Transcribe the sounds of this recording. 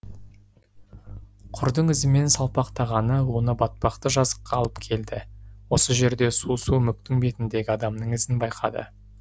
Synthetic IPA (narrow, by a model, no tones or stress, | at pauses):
qʰʊɾd̪əɴɪzɪme̞nsɑlˠpɑqt̪ɑʁɑnəwo̞nəbɑt̪̚pɑqt̪əʒɑzə̥qːɑlˠəpkʲʰe̞ld̪ɪwo̞səʒe̞ɾd̪e̞susumʏk̚t̪ɪŋbe̞t̪ɪnd̪e̞ɡʲɪɑd̪ɑmnəɴɪzɪnbɑjqʰɑ̰d̪ə̰